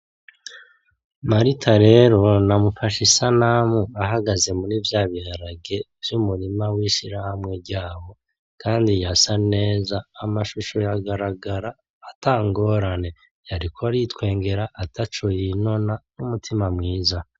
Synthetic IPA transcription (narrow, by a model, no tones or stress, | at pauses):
maɾitʰaɾe̞ɾo̞namufaʃisanamuaɦaɡaze̞munivjaːβiaɾaɡe̞ | v̥jumuɾimawiʃiɾahamŋe̞ɾɟaːwo̞ | kaːndijasane̞ːzaːmaʃuʃojaɡaɾaɡaɾaː | taːŋɡo̞ːɾane̞ | jaɾikʰoaɾitkwe̞ːŋɡe̞ɾaʔatat͡ʃojino̞nanumutʰimamŋiːza